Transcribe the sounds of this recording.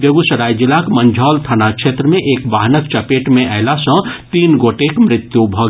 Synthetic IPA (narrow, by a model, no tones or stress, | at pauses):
bjəɡusəɽajd͡ʒilakmənd͡ʒʱɔːlt̪ʰanakʃʰet̪ɾəmẽʔeːkbaɦnək̚t͡ʃəpeʈmẽʔaɪlasə̃t̪iːnɡoʈekmɾɪt̪jubʱɔ